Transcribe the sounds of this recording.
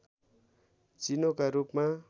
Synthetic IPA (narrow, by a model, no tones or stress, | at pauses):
t͡sinokaɾupma